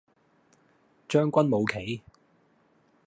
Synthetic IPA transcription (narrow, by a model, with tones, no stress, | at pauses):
t͡ʃœː˥ŋkʷɐ˥nmo˨˧wkʰe˨˥j